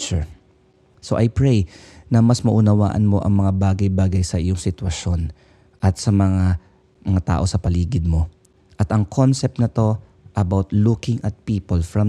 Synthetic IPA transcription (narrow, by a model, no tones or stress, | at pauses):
t͡ʃʊ | so̞ʔɐjpɹɛjnɐmɐsmɐʔʊnɐwa̰ːʔɐ̰nmo̞ʔɐ̰ŋmɐŋabaːɡɐjbaːɡɐjsɐʔɪjoŋsɪt̪wɐʃo̞n | ʔɐt̪̚sɐmɐŋa | mɐŋat̪a̰ːʔo̞sɐpɐliːɡɪd̪̚mo̞ | ʔɐt̪ɐŋkʰo̞nsɛp̚t̪̚nɐt̪o̞ | ʔɐbawt̪lukɪŋɐt̪̚piːpolfɹɐm